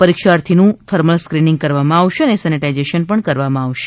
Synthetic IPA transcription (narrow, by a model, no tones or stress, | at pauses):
pəɾikʃaɾt̪ʰinũt̪ʰəɾməlskɾinĩŋɡ̚kəɾʋamãaʋʃeənesɛniʈajd͡ʒeʃənpəɳkəɾʋamãaʋʃe̥